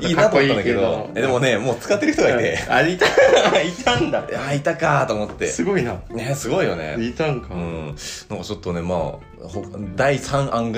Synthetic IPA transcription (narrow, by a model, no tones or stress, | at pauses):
iːnat̪oooaadaked̪ood̪e̞mone̞mo̞ːt͡sɨ̥kat̪ːeɾ̟t̪oɡait̪ḛait̪ait̪ʰãnd̪aait̪akat̪o̞ːmot̪ːe̞̰sɨɡoinanesɨɡo̞ijo̞ne̞̰it̪ãŋkaɯ̃nãŋkat͡ɕo̞t̪ːo̞ne̞ma̰ː | hod̪aisãɰ̃ʔãŋɡ